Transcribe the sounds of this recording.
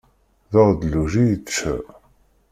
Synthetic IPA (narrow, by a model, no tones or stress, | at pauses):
ðəʁd̪luʒijət͡ʃːə̰